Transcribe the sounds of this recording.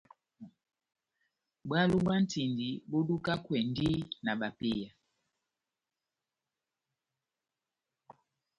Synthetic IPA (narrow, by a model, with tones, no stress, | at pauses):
bwa˦lu˦ɓa˦n̩˦ti˨ndi˨ɓo˦ɗu˦ka˦kwɛ˨n˦di˦na˨ɓa˨pi˦ja˨